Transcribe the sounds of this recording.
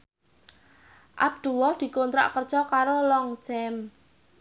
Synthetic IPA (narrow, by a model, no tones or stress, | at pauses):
ʔa̰b̚d̪̥uwɔhd̪̥i̤kont̪ɾa̰ʔkər̥ʒ̥ɔkaɾolɔŋt͡ʃɛm